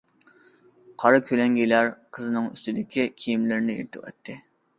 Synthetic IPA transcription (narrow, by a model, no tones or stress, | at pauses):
qʰɑɾɨkʲʰølɛŋɡʲilæɾqʰəzɨnɨŋy̰st̪ɪd̪ɪkʲikʲʰijimlɪɾɪnɪḭɾt̪ʰɨ̰wɛ̰t̪ʰːɨ